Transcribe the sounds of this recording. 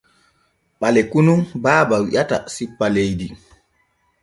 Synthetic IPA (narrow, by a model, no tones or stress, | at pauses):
ɓalɛkunumbaːbawiʔata̰sipːalejdi